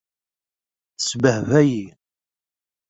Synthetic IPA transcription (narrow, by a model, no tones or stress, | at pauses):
θəsbəhvæji